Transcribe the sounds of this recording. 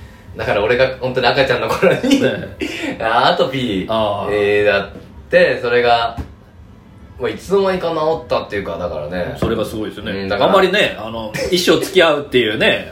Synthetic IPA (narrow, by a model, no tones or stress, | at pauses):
d̪akaɾao̞ɾe̞ɡahont̪o̞ɲiakat͡ɕãnːokoɾo̞ɲi | aːt̪opʲiaːd̪at̪ːe̞so̞ɾe̞ɡa | mait͡sɨnomoɲĩkanaot̪ːat̪ːe̞jɯ̟kad̪aka̰ɾa̰ne̞so̞ɾe̞ɡasɨɡo̞id̪esɨonẽd̪akammːaɾʲine̞ano̞iɕːo̞ːt͡st͡sɨ̥kʲiaɯ̟t̪ːe̞jɯ̟ːne̞